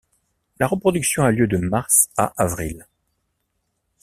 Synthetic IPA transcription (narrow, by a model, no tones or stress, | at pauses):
laʁəpχɔd̪yksjɔ̃aljød̪əmaʁsa̰ʔavʁil